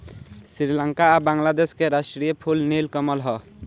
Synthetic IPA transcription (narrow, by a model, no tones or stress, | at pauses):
sɾiɾiləŋkaːbaŋlad̪eskeɾasʈɾijəpʰulnilkəməlɦɔ